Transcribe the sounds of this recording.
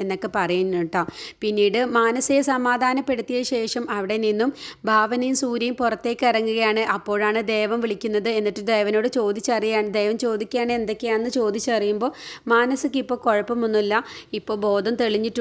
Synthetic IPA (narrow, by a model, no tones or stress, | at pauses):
enːokːe̞pɐrɐjiɲuʈːapinːiːɽɨmaːnɐsiesɐmaːd̪ʱaːnɐpːe̞ɽut̪ːijɐɕe̞ːʂɐmɐʋiɽe̞ninːumbʱaːʋɐnɐjumsuːɾɐjumpurɐt̪ːe̞ːkʲːɨirɐŋːuɣɐjaːɳɨʔɐpːo̞ːɻaːɳɨd̪e̞ːʋɐmʋiɭikʲːunːɐðɨe̞nːiʈːɨd̪e̞ːʋɐno̞ːɽɨt͡ɕo̞ːd̪it͡ɕːɨɐrijaːɳɨd̪eːʋɐmt͡ɕo̞ːd̪ikʲːjaːɳɨe̞nd̪o̞kːejaːenːɨt͡ɕo̞ːd̪it͡ɕːɨɐrijumbo̞ːmaːnɐsɨk̬ʲːipːo̞ːko̞ɻɐpːɐmunːilːɐipːo̞ːɭbo̞ːd̪ʱɐmt̪eɭiɲːiʈː